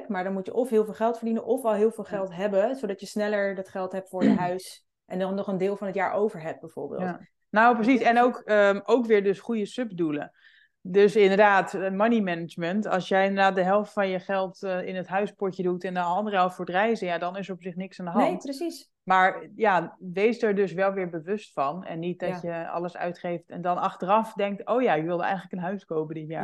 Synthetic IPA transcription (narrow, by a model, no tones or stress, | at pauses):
kmaːɹdɔnmutjəʔɔfɦɪːlˠvɪːlˠχɛlˠtfəɹdinənʔɔfɛlˠɦɪːlˠvɪːlˠχɛlˠtɦɛbəzodɑtjəsnɛləɹdɑtχɛlˠtɦɛp̚tfʊːɹjəɦœɥs | ʔɛndɑnːɔχəndɪːlˠfɑnɦətjaːɹʔowvəɹɦɛp̚t̚bɛjv̥o̰ːɹbɪ̰ːlt | nowprəs̬isɛnowkəmowkʋɪːɹdøsχujəsøpdulə̰ | døsɪndəɹdaːtmanimɛnəd͡ʒməntɑ̰lˠsjɛjɪndəɹdaːt̚dəɦɛlˠftfɑnjəχɛlˠtɪnətɦœɥspɔɹtjədutɛnɑndərəɦɛlˠftfoːɹdrɛjzəjadɔnɪsəɹɔpsɪχnɪksandəɦɑntis | maːɹjaʋejsdəɹdøsʋɛlˠʋɪːɹbəʋøstfɑnɛ̰nːit̚dɔjəɑ̰ləsœ̰ɥtχejftɛ̰ndɔnɑxtərɑfdɛŋk̚toːjajɪʋɪlˠdəɛ̰jətləkənɦœɥskoːpədɪtja̰ːɹ